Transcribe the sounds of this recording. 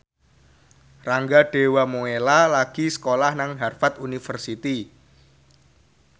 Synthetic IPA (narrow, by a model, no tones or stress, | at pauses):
raŋɡaɖ̥e̤wamoelalaɡ̥i̤sə̥kolahnaŋɦarfat̪unifərsit̪i